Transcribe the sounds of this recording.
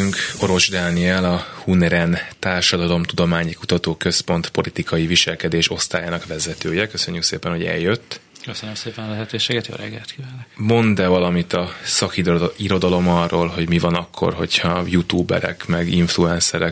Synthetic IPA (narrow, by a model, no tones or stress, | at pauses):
yŋko̞ɾo̞ʒd̪aːniɛlɒhunɛɾɛnt̪aːrʃɒd̪ɒlo̞mt̪ud̪o̞maːɲikut̪ɒt̪oːkø̞spo̞n̪t̪po̞lit̪ikɒjiviʃɛlkɛd̪eːʃo̞st̪a̰ːjaːnɒkʋɛzɛt̪øːjɛkø̞sø̞ɲːykseːpɛnho̞ɟɛ̰ljːøt̪ː | køsønømseːpɛnɒlɛɦɛt̪øːʃeːɡɛt̪jo̰ːɾɛɡːɛlt̪kivɛlɛmo̞nd̪ɛvɒlɒmit̪ɒsɒkiiɾo̞d̪ɒlo̞mɒrːoːlɦo̞ɟmivɒnɒkʰːo̞̰rɦo̞̰chɒjut̪uːbɛ̰ɾɛ̰kmɛɡiɱfluɛnsɛɾɛk